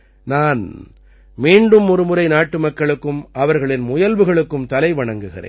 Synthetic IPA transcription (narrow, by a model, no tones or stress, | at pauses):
naːn | miːɳɖɯmɔɾɯmɯɾɐɪnaːʈːɯmɐkːɐɭɯkːɯmʔɐʋɐɾɣɐɭɪnmʊjɐlʋɯɣɐɭɯkːɯmt̪ɐlɐɪʋɐɳɐŋɡɯɣɪrḛːn